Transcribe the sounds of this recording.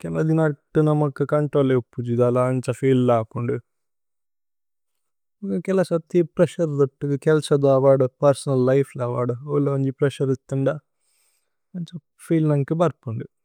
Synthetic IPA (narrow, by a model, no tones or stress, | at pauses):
kɛlɐd̪inɐʈːunɐmːɐkːɐkɐɳʈɾoːlepːud͡ʒid̪ɐlaːnt͡ʃɐfiːllaːkuɳɖu | ɐkɛlɐsɐt̪ːipɾeʃɐɾd̪ɐʈːuɡɐkɛlsɐd̪aːʋaːɽupɐɾsɐnɐlːɐjpʰlaːʋaːɽuoloɲd͡ʒipɾeʃɐɾit̪ːuɳɖɐ | ɐɲt͡ʃɐ | pʰiːlnɐŋkibɐɾpːuɳɖu